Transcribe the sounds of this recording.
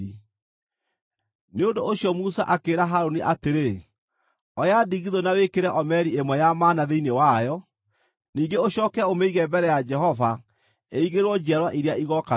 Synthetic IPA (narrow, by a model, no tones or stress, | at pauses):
i | neondooɕjɔmusaʔakeːɾaɦaɾoniʔateɾe | ɔjadiɣiðonawekeɾɛʔɔmɛɾiemwɛjamaːnaðeinewajɔ | niːŋɡeoɕɔːkɛomeiɣɛmbɛɾɛjad͡ʒɛɦɔva | eiɣeɾwɔd͡ʒiaɾwaʔiɾeaiɣɔka